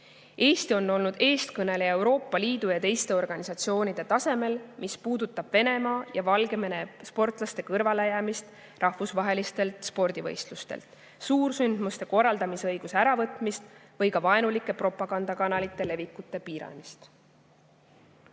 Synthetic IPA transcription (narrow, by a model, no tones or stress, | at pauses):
e̞ːst̪io̞nːo̞lnud̪e̞ːst̪kɤne̞leewɾo̞ːpːˑɑliːd̪̥ujɑt̪e̞jst̪e̞o̞rɡ̥ɑnisɑt̪sio̞ːnid̪̥e̞t̪ɑse̞me̞lmispuːd̪ut̪ːˑɑb̥ve̞ne̞mɑːjɑvɑlɡe̞me̞ne̞spo̞rt̪ˑlɑst̪e̞kɤrvɑle̞jæːmist̪ | rʔɑhvusvɑɦe̞list̪e̞lt̪spo̞rd̪̥ivɤjst̪lust̪ḛlt̪ | suːrsynd̪̥must̪e̞ko̞rːɑld̪ɑmisɤjɡ̥useæɾɑvɤt̪ːˑmist̪vɤjkɑvɑenulikːˑe̞pro̞pːˑɑɡ̥ɑnd̪ɑkɑnɑlit̪ˑːe̞le̞vikːˑut̪ːˑe̞piːɾɑ̰mist̪